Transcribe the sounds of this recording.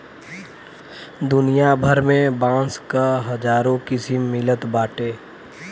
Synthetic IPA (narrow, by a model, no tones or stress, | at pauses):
d̪ʊnijabʱəɾmẽbãːskaɦɐd͡ʒaːɾõkɪsɪmːɪlət̪baːʈeː